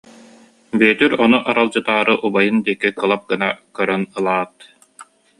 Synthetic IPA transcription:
biɛt̪yɾɔnuʔaɾalˠd͡ʑɯt̪aːɾɯʔubajɯnd̪iɛkːikɯlˠap̚ɡɯnakœɾœnɯlˠaːt̪

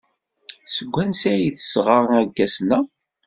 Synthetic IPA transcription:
səɡʷːænsæjiθə̥sʁəɾˤnænkːæsnæ

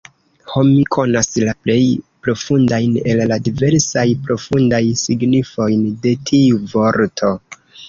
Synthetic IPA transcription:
ho̞mikʰo̞naslaple̞jpɾo̞fundajne̞lladive̞ɾsajpɾo̞fundajsiɡnifo̞jnde̞tʰiuvo̞ɾtʰo̞

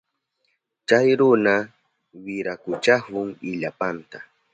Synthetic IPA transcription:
t͡ʃajɾʊna | wɪɾakʊt͡ʃahʊŋɪʎapant̪a

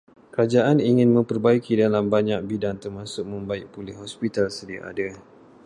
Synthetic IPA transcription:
kəɾad͡ʒaʔaniŋɪ̃nmə̃mpərbaikidalambaɲak̚bidaŋt̪ərmãsʊk̚mə̃mbaɪk̚pulɪhɔspit̪alsədiaʔa̰da

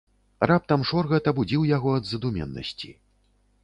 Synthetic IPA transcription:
rap̚t̪ɐmʂɔrɣɐt̪ɐbud͡zʲiwjaɣɔɐd̪zɐd̪umʲɛ̰nːɐ̰sʲt͡sʲi

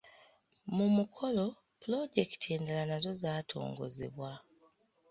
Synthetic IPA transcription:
mumukʰo̞lo̞ | pulo̞ɟe̞kitʰieːndalanazo̞zaːtʰo̞̰ːŋɡo̞̰ze̞̰βwa

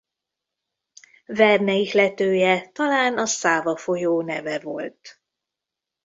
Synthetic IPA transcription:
vɛrnɛiklɛt̪øːjɛt̪ɒlaːnɒsaːvɒfo̞joːnɛvɛvo̞̰lt̪

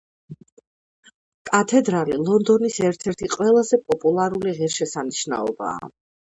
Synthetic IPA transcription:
kʼat̪ʰɛd̪ɾalilˠɔnd̪ɔnisɛɾt̪ʰɛɾt̪ʰiqʼwɛlˠazɛpʼɔpʼulˠaɾuliʁiɾʃɛsaniʃna̰ɔba̰ː

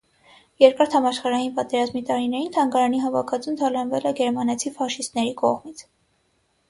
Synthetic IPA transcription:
jɛɾkɑɾt̪ʰhɑmɑʃχɑɾɑjinpɑt̪ɛɾɑzmit̪ɑɾin̪ɛɾint̪ʰɑŋɡɑɾɑniɦɑvɑkʰɑt͡sʰumt̪ʰɑlɑnvɛlɛɡɛɾmɑnɛt͡sʰivɑʃist̪nɛɾikɔ̰ʁmit͡sʰ

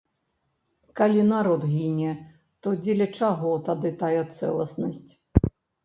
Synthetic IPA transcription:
kalʲinaɾɔd̪ɣʲinʲɛ | t̪ɔd͡zʲelʲɐt͡ʂaɣɔt̪ad̪ɨt̪ajɛt̪sɛ̰lˠɐsnɐsʲt͡sʲ

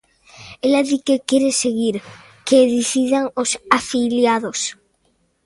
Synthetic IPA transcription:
elaðikekjeɾeseɣiɾ | keðiθiðaŋosafiljaðos

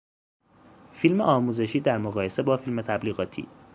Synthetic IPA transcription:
filmeʔɒːmuːze̞ʃiːd̪æɾmoɣɒːje̞se̞bɒːfilmet̪ʰæbliːɣɒːt̪ʰḭː

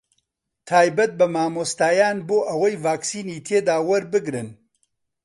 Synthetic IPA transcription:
t̪ʰaːjbɐt̪̚bɐmaːmoːst̪aːjaːnboːʔɐwɐjvaːksiːniːt̪ʰeːd̪aːwɐɾbɨɡɾɨn

